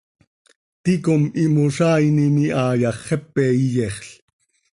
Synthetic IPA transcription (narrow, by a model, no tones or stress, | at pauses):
t̪ikomimoʃɑːjniniʔɑːjɑχːɛpːɛːijɛχɬ